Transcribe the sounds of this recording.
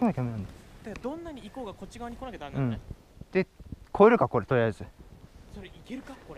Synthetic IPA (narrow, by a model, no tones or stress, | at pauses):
makʲomenãnd̪ed̪̥akːad̪õ̞nːaɲ̟iːko̞ːɡako̞t͡ɕiɡaβɲ̟ikonaked̪anɯ̃ɴ | d̪̥e̞kʰo̞eɾɯ̟kako̞ɾe̞t̪o̞iazɨsoɾeikeɾɯ̟kakoɾe